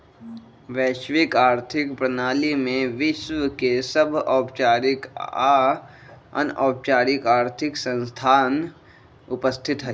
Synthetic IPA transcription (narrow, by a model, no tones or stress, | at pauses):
ʋɛːʃʋɪkaːɾt̪ʰɪkpɾənaːlimẽʋɪʃwəkesəbʱɔːpt͡ʃaːɾɪka | ə̰nɔːp̚t͡ʃaːɾɪkaːɾt̪ʰɪksə̃nst̪ʰaːn | ʊpəst̪ʰɪt̪ɦɛ